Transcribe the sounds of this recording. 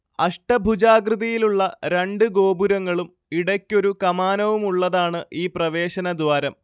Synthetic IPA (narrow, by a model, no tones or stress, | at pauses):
ɐʂʈɐbʱud͡ʑaːɡrɨðɐjiluɭːɐɾeɳɖɨɡo̞ːbuɾɐŋːɐɭum | iɽɐkʲːo̞ɾukɐmaːnɐʋumuɭːɐðaːɳɨʔiːprɐʋe̞ːɕɐnɐd̪waːɾɐm